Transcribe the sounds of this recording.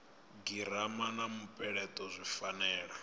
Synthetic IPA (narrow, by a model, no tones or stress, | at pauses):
ɡiɾ̤amanamupʼɛɺɛtʼɔzʷifanɛːɺa